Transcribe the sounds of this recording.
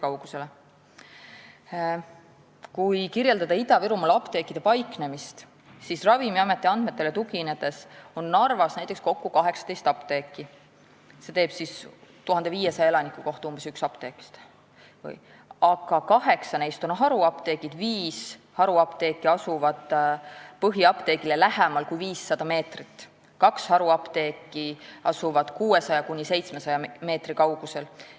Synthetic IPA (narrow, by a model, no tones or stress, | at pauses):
kɑwɡ̥use̞le | kujkirje̞ld̪ɑd̪ɑid̪ɑviɾumɑlɑpt̪e̞ːkːˑid̪̥e̞pɑjkne̞mist̪ | sisrɑvimiɑmet̪ːˑiɑnd̪̥me̞t̪ːˑe̞let̪uɡine̞d̪̥e̞so̞nːɑrvɑsnæjt̪ːˑeksko̞kːukɑɦe̞ksɑ̥t̪e̞jst̪ɑpt̪e̞ːkːˑi | se̞t̪e̞ːb̥sist̪uɦɑnd̪e̞viːje̞sɑjelɑnikːˑuko̞ht̪uːmb̥e̞syksɑpt̪e̞ːki̥st̪ | vɯ̰j | ɑɡ̥ɑkɑɦe̞ksɑne̞jst̪o̞nɦɑɾuɑpt̪e̞ːɡ̥id̪viːshɑɾuɑpt̪e̞ːkˑːiɑsuvɑd̪̥pɤɦiɑpt̪e̞ːɡ̥ilelæhemɑlkujviːsːɑd̪̥ɑme̞ːt̪rit̪ˑː | kɑkshɑɾuɑpt̪e̞ːkˑːiɑsuvɑd̪̥kuːe̞sɑjɑkunʲise̞jt̪sme̞sɑjɑme̞ːt̪rikɑwɡ̥use̞l